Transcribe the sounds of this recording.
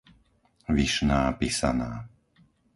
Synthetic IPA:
ʋiʃnaːpisa̰naː

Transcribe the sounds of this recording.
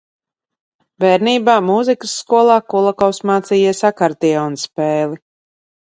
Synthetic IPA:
bɛːɾniːbaːmuzikəsːkuɔlˠaːkulˠakɔwsmaːt̪siːjiɛsakaɾd̪iɔːnspɛːlˠi

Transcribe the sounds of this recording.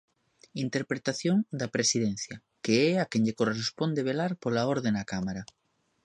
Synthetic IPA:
int̪eɾpɾet̪aθjoŋd̪apɾesiðenθja | keeakeɲʎekorespond̪eβ̞elaɾpolaoɾð̞enakamaɾa

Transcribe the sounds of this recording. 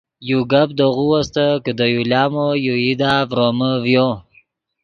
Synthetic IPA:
juɡab̚d̪əɣuwast̪əkəd̪əjuljɑːmojuid̪avɾoməvjo

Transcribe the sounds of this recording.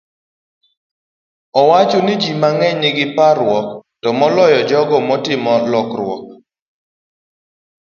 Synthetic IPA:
ɔwat͡ʃɔnɪd͡ʒimaŋɛɲɪɡɪpaɾʊwɔktɔmɔlɔjɔd͡ʒɔɡɔmɔtɪmɔlɔkɾwɔ̰k̚

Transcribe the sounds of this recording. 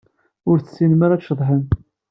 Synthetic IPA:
ʊɾθəsːinmaɾaʃːəðˤħən

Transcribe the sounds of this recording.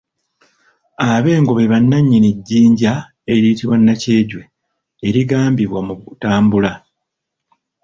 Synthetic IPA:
aβe̞ːŋɡo̞βe̞βanːaɲːiniɟːiːɲɟa | e̞ɾiːtiβwanːace̞ːɟwe̞ː | ɾiɡaːmbiβwamuutaːmbula

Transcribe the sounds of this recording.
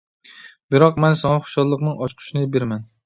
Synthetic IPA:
bɪɾɒqmɛnsɒŋɑχʊ̥ʃɒlˠlˠɨqnɨŋɒt͡ʃqʰʊ̥ʃnɪbeɾmɛn

